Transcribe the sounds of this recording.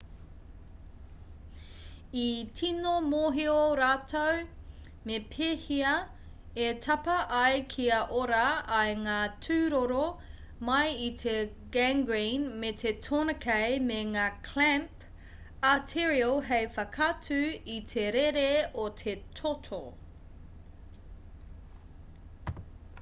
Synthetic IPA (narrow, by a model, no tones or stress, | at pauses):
itʰinomoːɦioɾaːtʰow | mepʰeːhiɐ | etʰɐpɐʔɐjkʰiɐʔoɾɐːjŋaːtʰʉːɾoɾo | mɐjit̪ʰe | ɡæŋɡɹinmet̪ʰetʰonɐkʰejmeŋaːkʰlæmp | atʰiɹiolˠɦejfɐkʰɐtʰʉit̪ʰeɾeɾeotʰe̞tʰotʰo